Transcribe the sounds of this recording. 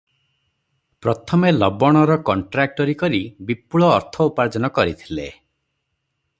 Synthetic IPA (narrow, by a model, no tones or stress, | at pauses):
pɾɔt̪ʰɔmelɔbɔɽ̃ɔɾɔkɔɳʈɾak̚ʈɔɾikɔɾibipuɭɔːɾt̪ʰɔupaɾd͡ʒɔnɔkɔɾit̪ʰilḛ